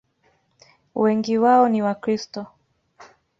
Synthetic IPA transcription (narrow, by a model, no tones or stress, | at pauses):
wɛŋɡiwaɔniwakɾistɔ